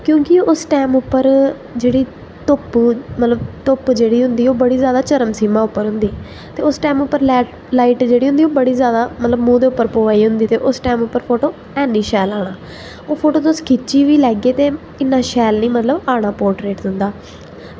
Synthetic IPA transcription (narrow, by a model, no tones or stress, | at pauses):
kjõːkɪʊsʈɛːmʊpːəɾ | d͡ʒeːɽiː | t̪ʊpmət̪ləbt̪ʊpd͡ʒeːɽiːɦʊ̃nd̪iːoːbəɽiːzjaːd̪aːt͡ʃəɾəmsiːmãːʊpːəɾɦʊ̃nd̪iːɛ | t̪eːʊsʈɛːmʊpːəɾlɛː | laːiːʈd͡ʒeːɽiːɦʊ̃nd̪iːoːbəɽiːzjaːd̪aːmət̪ləbmũːd̪eːʊpːəɾpoʋaːiːɦʊ̃nd̪iːt̪eːʔʊsʈɛːmʊpːəɾpʰoːʈoː | ɛːniːʃɛːlaːɽ̃aː | oːpʰoːʈoːt̪oskʰɪt͡ʃːiːʋiːlɛːɡeːt̪eː | ɪnːaːʃɛːlnĩːmət̪ləbaːɽ̃aːpoːɾʈɾeːʈd̪ɪnd̪aː